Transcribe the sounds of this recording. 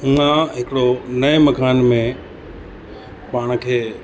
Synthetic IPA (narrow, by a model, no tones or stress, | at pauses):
ʊ̃ãɦɪkɽonɐmɐkʰaːnmẽ | paːɽ̃kʰeː